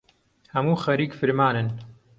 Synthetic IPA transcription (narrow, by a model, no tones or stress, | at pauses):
hɐmuːxɐɾiːkfɨɾmaːnɨn